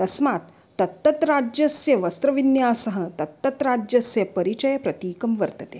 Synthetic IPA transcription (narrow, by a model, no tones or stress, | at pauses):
t̪ɐsmaːt̪ːɐt̪ːɐt̪ɾaːd͡ʒjɐsjɐʋɐst̪ɾɐʋinjaːsɐɦɐ̆t̪ɐt̪ːɐt̪ɾaːd͡ʒjɐsjɐpɐɾit͡ʃɐjɐpɾɐt̪iːkɐmʋɐɾt̪ɐt̪eː